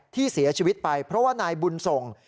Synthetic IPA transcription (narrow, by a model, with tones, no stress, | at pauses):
t̪ʰiː˥˩si˩˦ɐt͡ɕʰiː˧wi˦˥t̪̚pa˧jpʰɾɔ˦˥waː˥˩naː˧jbu˧nso˨˩ŋ